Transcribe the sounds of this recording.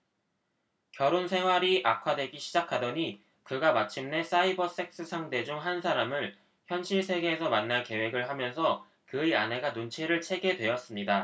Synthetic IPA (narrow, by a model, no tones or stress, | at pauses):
kjʌɾonsʰe̞ŋɦwaɾiʔakʰwadwe̞ɡiɕʰid͡ʑakʰadʌɲi | kɯɡamat͡ɕʰimne̞s͈aibʌs͈e̞k̚s͈ɯsʰaŋde̞d͡ʑuŋɦansʰaɾamɯɭ | çjʌnɕʰiɭsʰe̞ɡe̞ːsʰʌmanːake̞we̞ɡɯɭɦamjʌnsʰʌ | kɯianɦe̞ɡanont͡ɕʰeɾɯɭt͡ɕʰe̞ɡe̞dwe̞ʌs͈ɯmɲida